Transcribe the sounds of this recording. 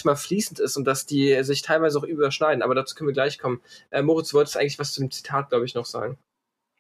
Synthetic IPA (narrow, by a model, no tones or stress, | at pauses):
çmaːlfliːsn̩tɪstʊnt̚d̥asd̥iːzɪçtʰaɪlvaɪzəaʊxʔyːbɐʃnaɪdn̩a̰ːbɐdɾaːt͡su̥ːkʰœnviːɐɡlaɪçkʰɔmənʔɛːmoːʁɪt͡sduːvɔltəstʔaɪɡŋ̩lɪçv̥ast͡sudeːmt͡si̥tʰaːt̚ɡ̥laʊbəɪçnɔχz̥a̰ːɡŋ̩